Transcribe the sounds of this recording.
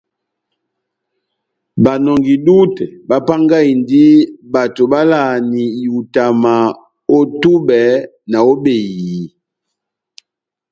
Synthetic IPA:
ba˨nɔ˨ŋɡi˨du˦tɛ˨ba˦pa˦ŋɡa˦i˨ndi˦ba˨to˨ba˦la˦˨ni˨u˨ta˨ma˨ | o˦tu˦bɛ˨˦ | na˨o˦be˨ji˨

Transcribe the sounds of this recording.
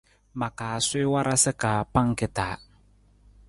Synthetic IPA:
ma˨kaː˨sɪː˦wa˦ɾʔa˦sɪ˦kaː˨pa˦ŋ˦kɪ˨taː˨˦

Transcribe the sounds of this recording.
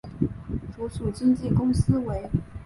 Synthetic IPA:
ʈ͡ʂu˧˥ʂu˨˩t͡ɕi˥ŋt͡ɕi˥˩kʊ˥ŋsɹ̩˥we˧˥ɪ

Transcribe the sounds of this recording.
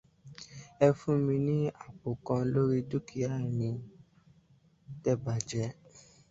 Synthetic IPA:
ɛ˧fũ˦mĩ˧nĩ˦a˦˨bo˨kã˧lo˦ɾi˦du˦ki˨˦a˦˨nĩ˧ | tɛ˦ba˨d͡ʒɛ˧˦

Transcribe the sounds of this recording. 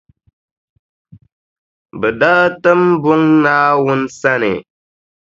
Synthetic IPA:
bɨ˨da˦tɨ˦mbʊ˦ŋnaː˦wʊ˦n̩˦sa˦nɪ̰˨

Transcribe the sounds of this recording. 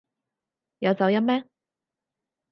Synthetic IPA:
jɐ˨˧wt͡sɐ˨˧wjɐ˥mɛː˥

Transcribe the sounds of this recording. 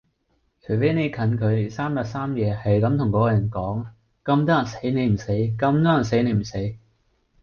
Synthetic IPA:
t͡ʃʰɵ˨˩ɥfe˨˥jne˨˧jkʰɐ˨˥nkʰɵ˨˧ɥsaː˥mjɐ˨˥saː˥mjɛː˨˧hɐ˨jkɐ˨˧˥mt̪ʰʊ˨˩ŋkɔː˨˧˥jɐ˨˩nkɔː˨˥ŋ | kɐ˧mt̪ɔː˥jɐ˨˩nse˨˥jne˨˧jm̩˨˩se˨˥jkɐ˧mt̪ɔː˥jɐ˨˩nse˨˥jne˨˧m̩˨˩se˨˥j

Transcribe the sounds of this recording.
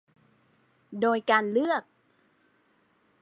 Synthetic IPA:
ɗo˧˩jkaː˧˩nlɨ˦˥ək̚

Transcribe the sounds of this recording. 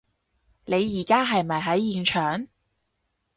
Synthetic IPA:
ne˨˧jːiː˨˩kaː˥ɦɐ˨jmɐ˨jɦɐ˨˥jiː˧nt͡ʃʰœː˨ŋ

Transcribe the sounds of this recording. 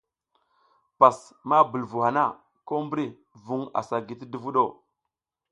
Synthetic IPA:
pa˨sma˦bə˨lvu˨a˨na˦˨ | ko˦mbɾi˦ | vu˨ŋa̰˨sa˨ɡi˨ti˦də˦vu˦ɗo˦˨

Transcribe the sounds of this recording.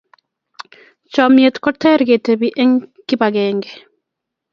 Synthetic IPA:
t͡ʃɔmje˨t̪kɔtɛ˦ɾɡe˨tebiʔe˦ŋki˦ba˨ɡɛŋɡɛ

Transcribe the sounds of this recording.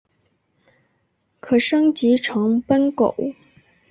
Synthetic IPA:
kʰɤ˨˩ʂɤ˥ŋt͡ɕi˧˥ʈ͡ʂʰɤ˧˥ŋpə˥nko̰˨˩˦

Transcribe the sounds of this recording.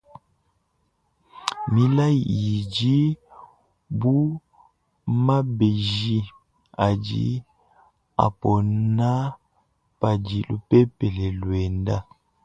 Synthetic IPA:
mi˦la˦i˨i˨d͡ʒi˦ | bu˦ | ma˦be˨ʒi˦ | a˨d͡ʒḭ˦ | a̰˨pɔ˨na˦ | pa˨d͡ʒi˨lu˦pɛ˦pɛ˨lɛ˨lwɛ˨nda˦

